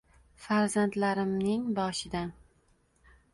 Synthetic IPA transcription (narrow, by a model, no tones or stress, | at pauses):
faɾzant̪laɾɪmnɪŋbɒʃɪd̪an